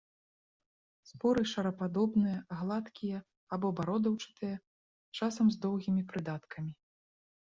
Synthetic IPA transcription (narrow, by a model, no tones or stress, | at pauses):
spɔɾɨʂɐɾɐpad̪ɔbnɨjɐɣlˠat̪kʲijɐ | abɔbaɾɔd̪ɐwt͡ʂɨ̥t̪ɨjɐ | t͡ʂasɐmzd̪ɔwɣʲimʲipɾɨd̪at̪kʰɐmʲi